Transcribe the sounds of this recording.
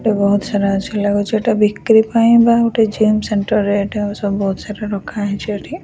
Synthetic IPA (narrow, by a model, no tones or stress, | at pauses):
ʈebɔɦut̪saɾat͡ʃʰɛlaɡɔt͡ʃʰiʈabikːɾipaĩbaɔʈed͡ʒimsɛɳʈɔɾeʈeɔsɔbːɔɦut̪saɾaɾɔkʰːaɦɛt͡ʃʰieʈʰi